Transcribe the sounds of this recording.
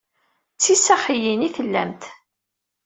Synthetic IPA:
t͡sːisaχijiniθəlːæ̰mt̪

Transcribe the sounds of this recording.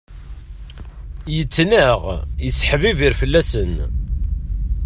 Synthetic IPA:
jət͡sːnəʁjəsħviviɾfəlːæsən

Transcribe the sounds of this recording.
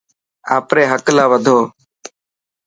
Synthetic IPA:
aːpɾeːɦəklaːʋəd̪ʱoː

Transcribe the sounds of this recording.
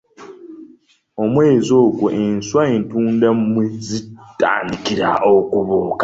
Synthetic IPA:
omwe̞ːzo̞ːɡuʔenswaentuːndammwezita̰ːndikiɾa̰ʔokuβoːkḁ

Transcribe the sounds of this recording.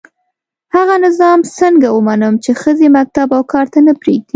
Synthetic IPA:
haɣanɪzɑmsəŋɡawəmanəmt͡ʃexəzemak̚t̪abawkɑɾt̪anəpɾeɡ̚d̪i

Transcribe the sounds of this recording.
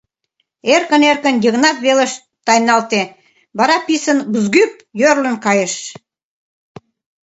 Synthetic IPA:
erkə̆nerkənjiɣnɑt̪βelə̆ʃ | t̪ɑjnɑlt̪e | βɑɾɑpisənbəzɡyp̚jørlə̆nkɑjəʃ

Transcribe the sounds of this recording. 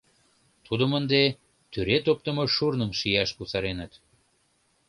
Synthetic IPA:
t̪ʰud̪əmənd̪e | t̪yɾet̪op̚t̪əmoʃurnəmʃijɑʃkusɑɾenət̪

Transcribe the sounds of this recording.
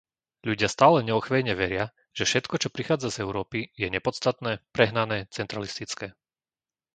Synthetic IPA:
ʎuɟɪast̪aːlɛɲɛɔxʋɛjɲɛʋɛɾɪa | ʒ̥ɛfʃɛt̪kɔt͡ʃɔpɾixaːd͡zazɛʊɾɔːpijɛɲɛpɔt͡st̪at̪nɛːpɾɛɦnanɛːt͡sɛnt̪ɾalist̪it͡skɛː

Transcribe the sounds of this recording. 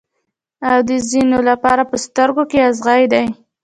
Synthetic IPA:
awd̪əzinolapɑɾapəst̪əɾɡokeazɣajd̪aj

